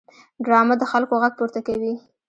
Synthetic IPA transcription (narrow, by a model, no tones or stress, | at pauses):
ɖɾɑmad̪əxalkoɣaɡ̚puɾt̪akawi